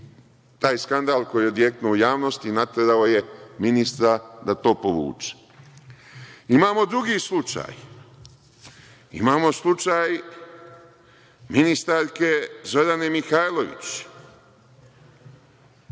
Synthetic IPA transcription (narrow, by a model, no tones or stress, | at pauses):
t̪aːjskand̪alko̞jo̞d̪jeknuujaːʋno̞st̪inat̪ed̪aoje̞minist̪ɾad̪at̪o̞ːpoʋṵːt͡ʃe̥ | imaːmo̞d̪ɾuɡiːslˠut͡ʃa̰ːj | ḭmaːmo̞slˠut͡ʃaːj | minist̪aɾke̞zodanemixajlˠo̞ʋḭt͡ɕ